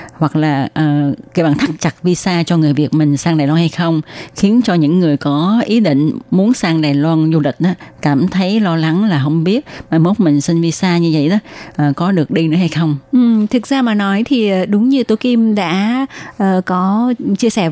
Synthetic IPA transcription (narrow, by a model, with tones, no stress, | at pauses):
hwa˨˩k̚laː˨˩ʔəː˨˩ka˨˦jɓaː˧˨˩nt̪ʰa˦˥k̚t͡ɕa˨˩t̚vi˧saː˧t͡ɕɔ˧ŋɨ˨˩əjvi˨˩ət̚mï˨˩ŋ̟saː˧ŋɗaː˨˩jlwaː˧nha˧jxə˧wŋ͡mxi˨˦ənt͡ɕɔ˧ɲɨ̰˧˥ŋːɨ˨˩əjkɔ˨˦ʔi˨˦ɗḭ̈˧˨ŋ̟mu˨˦nsaː˧ŋɗaː˨˩jlwaː˧nzu˧lï˨˩k̟̚ʔaː˨˦kaː˧˩mt̪ʰə˨˦jlɔ˧la˨˦ŋlaː˨˩ɦə˧wŋ͡mɓi˦˥ət̚maː˨˩mo˦˥k͡p̚mï˨˩ŋ̟si˧nvi˧saː˧ɲɨ˧və̰˧˨jɗaː˨˦ʔəː˨˩kɔ˨˦ɗɨ˨˩ək̚ɗi˧nɨ̰˧˥əha˧jxə˧wŋ͡mʔɨ˨˩t̪ʰɨ˨˩k̚zaː˧maː˨˩nɔ˨˦jt̪ʰi˨˩ʔəː˨˩ɗʊ˨˦ŋ͡mɲɨ˧t̪o˧˩jki˧mɗa̰ː˧˥ʔəː˨˩kɔ˨˦t͡ɕi˧əsɛ˧˩